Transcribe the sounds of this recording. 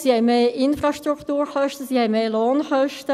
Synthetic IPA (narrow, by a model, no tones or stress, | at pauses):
sihɛɪmeːɪnfɾɑʃtɾuktuːɾχœʃtəsihɛɪmeːloːnχœʃtə